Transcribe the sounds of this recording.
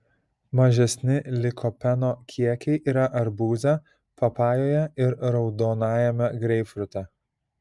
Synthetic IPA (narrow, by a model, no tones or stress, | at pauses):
mɐʒʲɛsʲnʲɪlʲɪkʰɔpʲɛnoːkʲʰiɛkʲɛɪʔiːɾɐʔɐɾbuːzʲɛ | pɐpɑːjoːjɛɪɾɾɐʊd̪oːnɑːjɛmʲɛɡɾʲɛɪfɾʊt̪ʲɛ